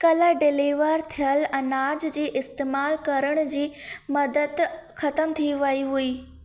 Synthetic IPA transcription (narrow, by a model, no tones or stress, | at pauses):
kɐləɖɪliːʋəɾt̪ʰijəlɛ̃ːnaːd͡ʑd͡ʑeːʔɪst̪eːmaːlkɐɾəɽ̃ʊ̆d͡ʑiːmɐd̪əd̪xɐt̪əmt̪ʰiʋɐiɦuiː